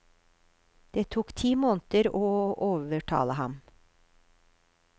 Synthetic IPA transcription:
d̪̥eːt̪ʰuːkt̪ʰiːmoːnt̪əɾoːoːʋəʈʰɑ̰ːləhɑm

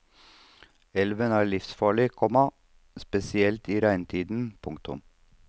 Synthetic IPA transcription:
ɛlʋənæːɭɪfsfɑːɭɪkʰɔmɑ | spɛsɪɛlt̪iːɾæɪnt̪ʰiːd̪n̩pʰʊŋkt̪ʊ̰m

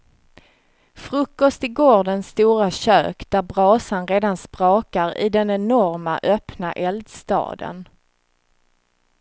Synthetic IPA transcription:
fɾɵkːɔst̪ɪɡoːɖɛnst̪uːɾaɕø̰ːkd̪æɾbɾɑːsanɾeːd̪anspɾɑːkaɾɪ̰d̪ɛnɛnɔɾma̰ʔœpna̰ʔɛld̪st̪ɑ̰ːd̪ə̰n

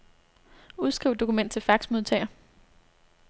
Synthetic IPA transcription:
uð̞ˠsɡ̥ʁiʊd̥o̝kʰumen̰d̥t͡sʰelfɑ̈ɡ̥smo̝ð̞ˠt͡sʰɛ̰ɪɐ

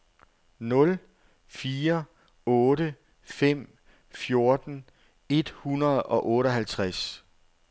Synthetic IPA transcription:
nɔ̽l | fiːɐ | ɔ̽ːɾə | fem̰ | fjo̝ɐd̥n̩ | e̝d̥hunɐð̩ˠɒ̽ʔɔ̽ːɾɒɦælt͡sʰʁas

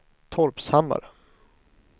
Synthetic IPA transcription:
t̪ʰɔɾpshamːa̰ɾə

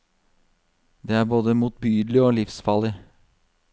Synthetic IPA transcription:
d̪eːæːɾboːd̪əmuːt̪̚byːd̪lɪoːlɪfsfɑlːɪ

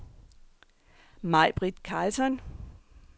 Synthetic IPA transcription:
mɑɪb̥ʁid̥kʰalsɒn

